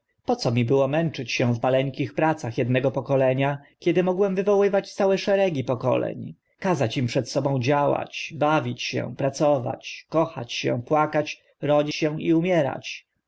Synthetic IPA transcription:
pɔt̪sɔmʲibɘwɔmɛnt͡ʂɘt͡ɕɕɛ̃vmalɛŋkʲixpɾat̪saxjɛd̪nɛɡɔpɔkɔlɛɲakʲɛd̪ɘmɔɡwɛmvɘvɔwɘvat͡ɕt̪sawɛʂɛɾɛɡʲipɔkɔ̰lɛ̰ɲ | kazat͡ɕimpʂɛt̪sɔbɔ̃w̃d͡ʑawa̰t͡ɕbavʲit͡ɕɕɛ̰̃pɾat̪sɔva̰t͡ɕkɔxa̰t͡ɕɕɛ̰̃pwakat͡ɕ | ɾɔd͡ʑiɕɛ̃iumʲjɛɾa̰t͡ɕ

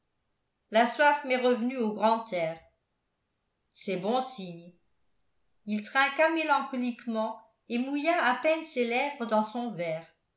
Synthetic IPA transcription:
laswafmɛʁəvnyoɡʁɑ̃t̪ʰɛːʁ | sɛbɔ̃siɲ | ilt̪χɛ̃kamelɑ̃kɔlikmɑ̃ | emujaapɛnselɛvʁəd̪ɑ̃sɔ̃vɛːʁ

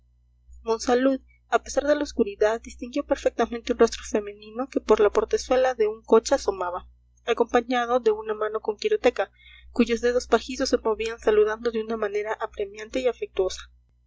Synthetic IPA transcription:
mo̞nsaluð | ape̞saɾðe̞laoskuɾiðaðd̪ist̪iŋɡjo̞pe̞ɾfek̚t̪amẽnt̪eunro̞st̪ɾo̞fe̞mẽ̞nĩno̞ke̞poɾlapo̞ɾt̪e̞swe̞laðe̞uŋko̞t͡ʃaso̞maβa | ako̞mpaɲað̞o̞ðe̞unamãno̞ko̞ŋkiɾo̞t̪e̞ka | kuʝo̞zðe̞ð̞o̞spaxiso̞sːemo̞βiansaluð̞and̪o̞ðeunamãne̞ɾaʔapɾe̞mjãnt̪e̞iafek̚t̪wo̞sḁ

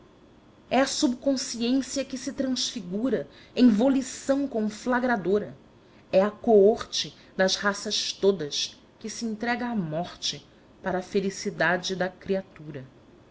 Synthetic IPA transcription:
ɛɐsubkõsiẽsiɐkɪsɪt̪ɾɐ̃sfiɡuɾɐ | ẽj̃volisɐ̃w̃kõflaɡɾad̪oɾɐ | ɛɐkooχt͡ʃɪ | d̪ɐzhasɐʃt̪od̪ɐs | kɪsiĩnt̪ɾɛɡɐːmɔχt͡ʃɪ | paɾɐːfelisid̪ad͡ʒɪd̪ɐkɾiat̪uɾɐ

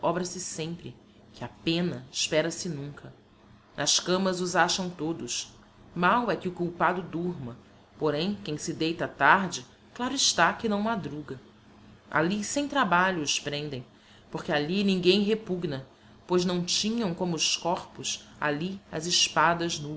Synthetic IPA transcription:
ɔbɾɐsɪsẽmpɾɪ | kʰɪapẽnɐɪʃpɛɾɐsɪnũŋkʰɐ | nʔɐskɐ̃mɐzʊzaʃɐ̃w̃t̪od̪ʊʃ | mawɛkɪʊkuwpad̪ʊd̪uɾmɐ | poɾẽj̃kẽj̃sɪd̪ejt̪ɐat̪aɾd͡ʒɪ | klˠaɾʊɪʃt̪akɪnɐ̃w̃mad̪ɾuɡɐ | a̰lisẽj̃t̪ɾabaʎʊːʃpɾẽnd̪ẽj̃ | poɾkɪalinĩŋɡẽj̃ɦepuɡnɐ | pojznɐ̃w̃t͡ʃĩɲɐ̃w̃kõmʊːskɔɾpʊsa̰liɐ̰zɪʃpad̪ɐznu

